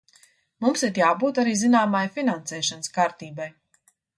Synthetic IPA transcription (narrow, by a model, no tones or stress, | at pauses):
mumsiɾjaːbuːt̪aɾiːzinaːmajfinansɛːʃanskaːɾt̪iːbaj